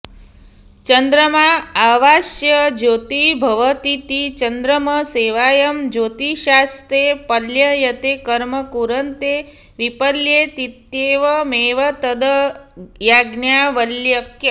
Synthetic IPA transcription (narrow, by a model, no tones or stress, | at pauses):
t͡ʃɐnd̪ɾəmaaʋaːʃjɐd͡ʒoːt̪ibʱɐʋət̪it̪it͡ʃɐnd̪ɾəmɐseːʋaːjɐmd͡ʒoːt̪iʃaːst̪epɐljɐjɐt̪ekɐɾmɐkuɾɐnt̪e | ʋipəljet̪it̪jeːʋɐmeːʋɐt̪ɐd̪ɐjaːɡnjaːʋəljɐkjə